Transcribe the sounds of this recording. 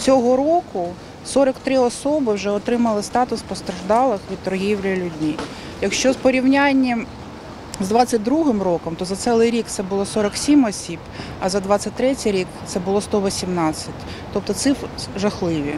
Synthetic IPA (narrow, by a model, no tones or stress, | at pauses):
t͡sʲɔɦɔɾɔkʊ | sɔɾɐkt̪ɾɪɔsɔbɪwʒɛɔt̪ɾɪmɐlˠɪst̪ɑt̪ʊspɔst̪ɾɐʒd̪ɑlˠɪxʋʲid̪̚t̪ɔɾɦʲiwlʲɐlʲʊdʲmʲi | jɐkʃt͡ʃɔzpɔɾʲiwnʲanʲːi | zd̪ʋɑt͡sʲːɐt̚ʲd̪ɾuɦɪmrɔkɔmt̪ɔzɐt̪sɛlˠɪjɾʲikt̪sɛbʊlˠɔsɔɾɐksʲimɔsʲib̥ | ɐzɐd̪ʋɑt͡sʲːɐtʲt̪ɾɛtʲɪjɾʲikt̪sɛbʊlˠɔst̪ɔʋɔsʲimnɑt͡sʲːɐtʲ | t̪ɔp̚t̪ɔt̪sɪfɾɪʒɐxlˠɪʋʲi